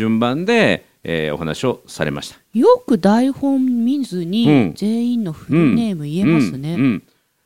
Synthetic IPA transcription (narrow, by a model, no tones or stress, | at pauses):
ɨ̃mbãnd̪e̞ | eohanaɕio̞sa̰ɾe̞̰ma̰ɕi̥t̪ḁjo̞kɯ̟d̪aihõ̞mmʲĩnzɨɲ̟ĩze̞ːĩnːo̞ɸɯ̃ne̞ːmɯ̟ie̞mãsɨne̞ɯ̃